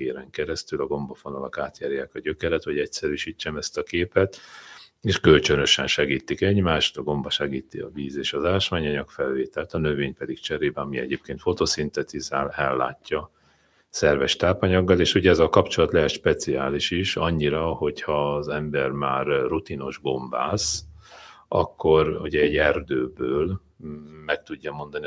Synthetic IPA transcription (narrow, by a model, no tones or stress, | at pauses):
eːɾɛŋkɛɾɛst̪ylɒɡo̞mbɒfonɒlɒkaːt̪jaːɾjaːkɒɟøkɛɾɛt̪ʋɒɟɛcsɛɾyʃiːt͡ʃːɛmɛst̪ɒkeːpɛt̪ | eːʃkø̞lt͡ʃønø̞ʃɛnʃɛɡiːt̪ikɛɟmaːʃt̪ɒɡo̞mbɒʃɛɡiːt̪ḭɒ̰viːzeːʃɒzaːʃmaːɲɒɲɒkfɛlveːt̪ɛlt̪ɒnø̞veːɲpɛd̪ikt͡ʃɛɾeːbɛɒmiɛ̰ɟeːp̚keːnt̪fo̞t̪osint̪ɛt̪izaːlɛlːa̰ːcːɒ | sɛrvɛʃt̪aːpɒɲɒɡːɒleːʃuɟɛɛzɒkɒpt͡ʃo̞lɒt̪lɛɦɛʃpɛt̪siaːliʃiʃɒɲːiɾɒho̞chɒzɛmbɛrmaːrrut̪ino̞ʒɡo̞mba̰ːs | ɒ̰kːo̞ruɟɛːɟɛrd̪øːbøːl | mɛk̚t̪uɟːɒmo̞nd̪ɒni